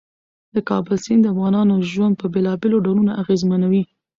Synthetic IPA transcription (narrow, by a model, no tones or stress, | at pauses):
d̪̥əkɑbəlsɪnd̪əafɣɑnɑnoʒwand̪̚pəbelɑbeloɖawlunaʔaɣezmanawi